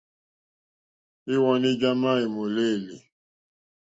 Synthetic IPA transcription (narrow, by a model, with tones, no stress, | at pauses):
i˦wɔ˦ni˦d͡ʒa˦ma˦i˨mo˨le˦˨li˨